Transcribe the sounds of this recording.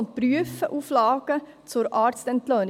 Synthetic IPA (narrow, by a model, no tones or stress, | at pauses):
nt̪̚pɾyəfəʔuːflɑːɡ̥ə | t͡sʊɾɑːɾst̪ɛnt̪lœːn